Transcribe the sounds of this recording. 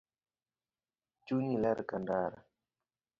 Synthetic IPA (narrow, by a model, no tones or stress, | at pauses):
t͡ʃunilɛɾkandaɾa̰